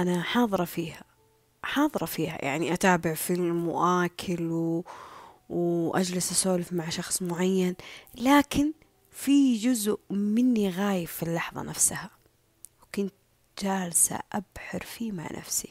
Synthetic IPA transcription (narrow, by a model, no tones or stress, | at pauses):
ʔanaħɑːðˤɨɾˤɑfiːha | ħɑːðˤɨɾˤɑfiːha̰jʔa̰ʕniʔat̪aːbɪʕfilmʊwʔaːkʰɪlw | wʔad͡ʒlɪsʔasoːlɪfmaʕʃɑxsˤmʊʕajːanlaːkɪn | fid͡ʒʊzʊʔmɪnːiɣaːjɪfːilːɑħðˤɑ̰nʔafsaha | wkʊnt̪ | d͡ʒaːlsa̰ʔabħɪɾfiːma̰ʕnʔa̰fsḭ